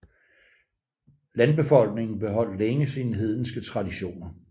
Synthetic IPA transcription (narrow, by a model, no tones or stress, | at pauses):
lænb̥e̝fɒ̽l̰ɡ̥ne̝ŋn̩b̥e̝ɦɒ̽l̰leŋəsinəɦe̝ð̞̰ˠn̩sɡ̥ət͡sʰʁɑ̈diɕo̝̰ːnɐ